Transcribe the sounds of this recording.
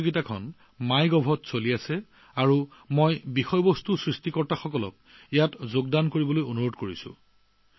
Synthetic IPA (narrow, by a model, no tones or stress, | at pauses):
ɡitakʰɔ̰n | majɡɔbʱɔtsoliasɛ | aɹumojbixɔjbɔstusɹistikɔɹtaxɔkɔlɔ̰k̚ejatzoɡdankoɹibɔlojonuɹodkoɹisʊ̰̃